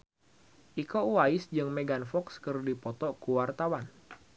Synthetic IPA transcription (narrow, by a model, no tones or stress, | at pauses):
ʔikowaɪsd͡ʒɨŋmeɡanfɔkskɨrdipɔt̪ɔkuwart̪awan